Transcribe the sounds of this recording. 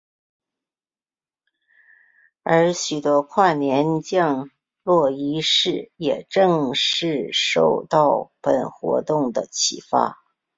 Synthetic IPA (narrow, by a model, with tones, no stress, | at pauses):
ə˞˧˥ɕy˨˩t̪wɔ˥kʰwa˥˩njɛ˧˥nt͡ɕjɑ˥˧ŋ | lwɔ˥˩i˧˥ʂɻ̩˥˩jɛ˨˩ʈ͡ʂɤ˥˧ŋʂɻ̩˥˧ʂo˥˧ʊt̪ɑ˥˩ʊpə˨˩nxwɔ̰˧˥t̪ʊ˥˩ŋd̪ə˩t͡ɕʰḭ˨˩fa̰˥˩